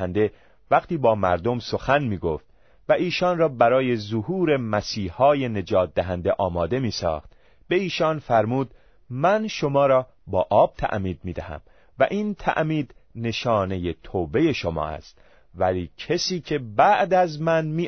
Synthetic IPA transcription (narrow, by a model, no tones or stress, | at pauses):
ænd̪e̞ | væqt̪iːbɒːmæ̰ɾd̪o̞mso̞xænmiːɡoft̪̚ | væʔiːʃɒːnrɒːbæɾɒːje̞zohuːɾe̞mæsiːhɒːje̞ne̞d͡ʒɒːt̪̚d̪æɦænd̪eʔɒːmɒːd̪e̞miːsɒ̰ːxt̪ | b̥e̞iːʃɒːnfæɾmuːd̪ | mænʃo̞mɒːɾɒː | bɒːʔɒːb̥̚t̪ʰæ̰ʔmiːd̪̚miːd̪æhæ̰m | væʔiːnt̪ʰæ̰ʔmiːd̪ne̞ʃɒːne̞je̞t̪ʰoːbe̞je̞ʃo̞mɒ̰ːʔæ̰st̪ | væliːcʰesiːcʰe̞bæʔd̪æzmænmiː